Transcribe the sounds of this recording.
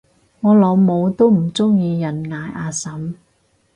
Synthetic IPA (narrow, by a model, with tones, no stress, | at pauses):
ŋɔː˨˧lɔː˨˧wmo˨˧wt̪o˥wm̩˨˩t͡sʊ˥ŋjiː˧jɐ˨˩nŋaː˨˧jʔaː˧sɐ˨˥m